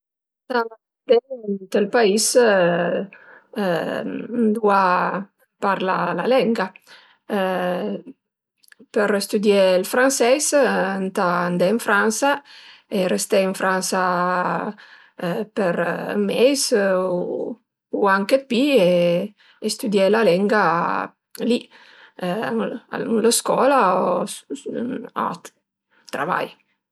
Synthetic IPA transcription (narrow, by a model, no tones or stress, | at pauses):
t̪a | d̪et̪elpais | nd̪ua | paɾla̰lalɛŋɡa | peɾst̪ud̪jelfɾansɛsnt̪aːnd̪eiɱfɾansaerest̪ɛiɱfɾansa | peɾmɛjs | uaŋkepːieː | st̪ud̪jɛlalɛŋɡa | li | nləskɔlao | a̰t̪ | t̪ːɾa̰va̰j